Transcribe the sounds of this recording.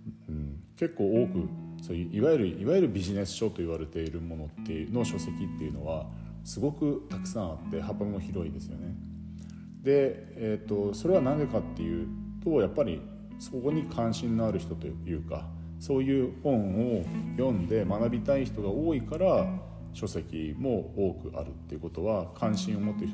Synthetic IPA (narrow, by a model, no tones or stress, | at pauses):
ɯ̟̃ɴke̞kːo̞ːoːkɯ̟soːjɯ̟ʔiβajɯɾɯ̟ʔiβajɯɾɯ̟bʲiʑine̞sɨ̥ɕo̞t̪ːo̞iβaɾe̞t̪e̞iɾɯ̟mo̞no̞t̪ːeɯno̞ɕo̞se̞kʲit̪ːe̞jɯ̟no̞̰β̞a | sɨɡo̞kɯ̟t̪akɯ̟̥sãɰ̃at̪ːe̞hapːamimoçiɾo̞id̪e̞sɨjo̞̰ne̞ | d̪e̞ | et̪ːo̞so̞ɾe̞β̞anãŋɡakat̪ːe̞jɯ̟̰t̪o̞japːaɾʲi | so̞ko̞ɲ̟ikʰãɰ̃ɕĩnːoaɾɯ̟çi̥t̪o̞t̪ojɯ̟ːka̰ | so̞ːjɯ̟ːhõ̞ɰ̃o̞jõ̞nd̪e̞manabʲit̪aiçi̥t̪o̞ɡao̞ːikaɾa | ɕo̞se̞kʲimo̞oːkɯ̟ʔa̰ɾɯ̟t̪ːe̞jɯ̟ko̞t̪o̞βakʰãɰ̃ɕĩɰ̃o̞mo̞t̪ːeç